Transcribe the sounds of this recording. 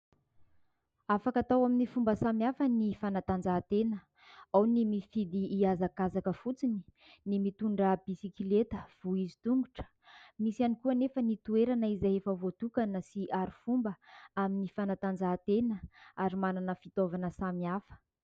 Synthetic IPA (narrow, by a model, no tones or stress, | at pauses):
afakat̪awaminifumbəsamiafənifanat̪and͡zat̪enə | awnimifid̪iːazakazakəfut͡sini̥ | nimit̪uɳɖ͡ʐəbisikilet̪ə̥v̥uizit̪uŋɡuʈ͡ʂə̥ | misianikuanefənit̪ueɾanəizaefəvot̪ukanəsiʔaɾifumbəaminifanat̪and͡zat̪enəaɾimananəfit̪ovanəsamiafə̥